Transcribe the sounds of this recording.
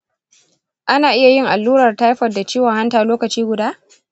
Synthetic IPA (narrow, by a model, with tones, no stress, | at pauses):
ʔa˦naː˨ʔɪ˦ja˨jɪ˦˨ŋʔa˨lːuː˦ɾɐ˨rta˦jɸɐ˨da˨t͡ʃiː˦wɔ˨ŋha˦ntaː˨loː˦kɐ˨t͡ʃiː˦ɡʷʊ˨daː˦